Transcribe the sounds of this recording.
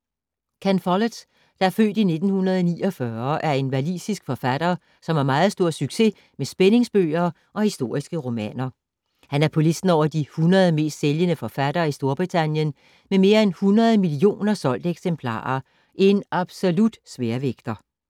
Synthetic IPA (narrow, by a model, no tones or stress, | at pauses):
kʰænfɒləd̥ | d̥ɑ̈æɐfø̰ːd̥ine̝d̥n̩hunɐð̞̩ˠɒnḭːɒfɶːɐʔæɐe̝nʋælḭːsisɡ̥fɒ̽fæd̥ɐː | sɒ̽mɑɐmɑ̈ːð̞̩ˠsd̥o̝ɐ̰syɡ̥se̝̰ | mesb̥ene̝ŋsb̥ø̰ːɐ | ʔɒ̽hisd̥o̝ɐ̰isɡ̥əʁo̝mɛ̰ːnɐ | hænæɐpʰɒ̽le̝sd̥n̩ɒʊ̰ɐd̥ihunɐð̞̩ˠme̝̰ːsd̥seljənəfɒ̽fæɾ̥ɐːisd̥o̝ɐb̥ʁit͡sʰænjən | meme̝ːɐenhunʁɐð̞ˠmilio̝̰ːnɐsɒ̽l̰d̥eɡ̥sempʰlɑ̰̈ːɐ | ʔe̝nʔɑ̈b̥solud̥sʋeːɐʋeɡ̥d̥ɐ